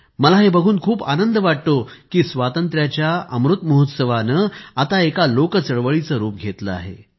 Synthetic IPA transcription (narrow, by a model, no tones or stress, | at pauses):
məlaɦebəɡʱuːnkʰuːpanənd̪əʋaʈt̪okiːsʋat̪ənt̪ɾjat͡ɕjaəmɾut̪məɦut̪səʋanəːat̪aekalokət͡səɭʋəɭit͡səɾuːpɡʱet̪ləa̰ɦḛ